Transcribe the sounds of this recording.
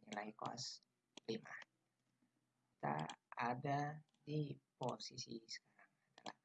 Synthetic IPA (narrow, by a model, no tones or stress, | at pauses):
ɲilaikoa̰s | lima | kit̪a̰ada | diposisisə̥kaɾaŋadala̰h